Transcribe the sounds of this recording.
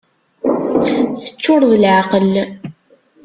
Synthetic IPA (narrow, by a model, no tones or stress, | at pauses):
θə̥t͡ʃːʊɾˤðəlʕaqəl